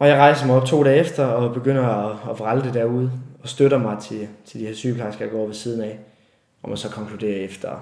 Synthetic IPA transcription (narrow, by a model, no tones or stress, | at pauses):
ɒ̽jɑ̈ɪʁɑ̈ɪsɐmɑɒ̽b̥̚t͡sʰo̝̰ːdɛːefd̥ɐɒ̽b̥e̝ɡ̥øn̰ɐɒːʋʁald̥e̝d̥æɐuð̞̰ˠɒ̽sd̥øɾɐmɑ̈ɪt͡sʰe̝t͡sʰe̝ld̥iheɐsyːpʰlɑ̈sɡ̥ɐjɑɡ̥ɒ̰ːʋe̝siːð̞ˠn̩ɛ | ɒ̽mjæsɒ̽kʰɒ̽ŋkʰlud̥e̝̰ːɐefd̥ɐ